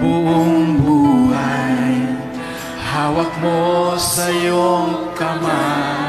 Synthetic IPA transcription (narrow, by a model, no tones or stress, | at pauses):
buŋbuaj | hawak̚mɔsajɔŋkama